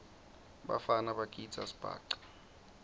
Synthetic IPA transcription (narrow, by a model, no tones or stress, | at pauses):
ɓa̰fanaɓakʼi̥t͡sʼa̰si̥b̥ʱa̰ːǃḁ